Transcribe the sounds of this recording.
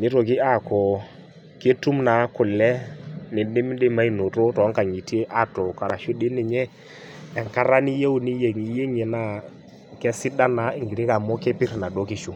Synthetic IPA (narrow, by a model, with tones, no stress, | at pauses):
nɪ˦ɾo˨k̬ɪ˦a˦˨kɔ˨ | ke˦tu˦mna˨˦kʊ˨lɛ˦nɪ˨dɪ˦m˦de˦ma˦i˨no˨ɾo˦tɔ˨˦ŋka˨ŋi˨te˦ʔa˦˨to˨ka˨ɾa˨ʃʊ˦dɪ˦nɪ˨ɲɛ˦ | ɛ˨ŋka˦ɾa˦ni˦je˦u˦ni˦je˨ŋi˨je˦ŋe˨na˦˨ | kɛ˦sɪ˦da˦na˨ɪ˨ŋɡi˨ɾi˦ka˨mo˦kɛ˦pɪ˦ɾna˨do˦ki˦ʃu˦